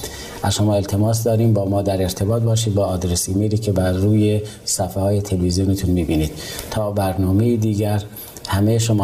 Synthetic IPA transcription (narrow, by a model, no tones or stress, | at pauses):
ʔæzʃomɒːe̞lt̪ʰe̞mɒːsd̪ɒːɾiːmbɒːmɒːd̪æɾe̞ɾt̪ʰe̞bɒːt̪̚bɒːʃiːd̪̚bɒːd̪ɾesimeliːkʰe̞bæɾːuːje | sæfehɒːjet̪ʰelvizijonet̪ʰunmibiːniːd̪̥̚t̪ʰɒːbæɾnɒːmejid̪iːɟæɾ | hæmejʃomː